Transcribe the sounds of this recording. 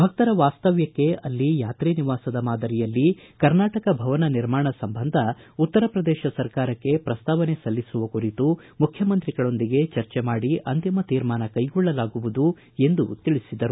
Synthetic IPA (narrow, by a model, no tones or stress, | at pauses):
bʱɐk̚t̪ɐɾɐʋaːst̪ɐʋjɐkːe̞ɐlːijaːt̪ɾiːniʋaːsɐd̪ɐmaːd̪ɐɾijɐlːikɐɾnaːʈɐkɐbʱɐʋɐnɐniɾmaːɳɐsɐmbɐnd̪ʱɐ | ut̪ːɐɾɐpɾɐd̪ɛːʃɐsɐɾkaːɾɐkːe̞pɾɐst̪aːʋɐne̞sɐlːisuʋɐkuɾit̪u | mukʰjɐmɐnt̪ɾiɡɐɭo̞nd̪iɡe̞t͡ʃɐɾt͡ʃɛmaːɽiʔɐnt̪imɐt̪iːɾmaːnɐkɐjɡɔɭːɐlaːɡuʋud̪u | e̞nd̪ut̪iɭisid̪ɐɾu